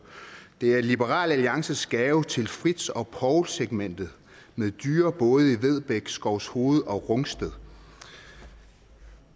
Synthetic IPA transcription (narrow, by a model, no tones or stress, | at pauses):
d̥e̝æɐlib̥eʁɑ̰̈ːlæliɑ̈ŋsəsɡ̥ɛːʊt͡sʰe̝lfʁid̥sɒ̽pʰɒʊlseɡ̥men̰d̥ð̩ˠ | með̞ˠd̥yːɐb̥ɔ̽ːð̞̩ˠiʋeð̞ˠb̥eɡ̥sɡ̥ɒʊsho̝ːð̞̩ˠɒ̽ʁɔ̽ŋsd̥eðˠ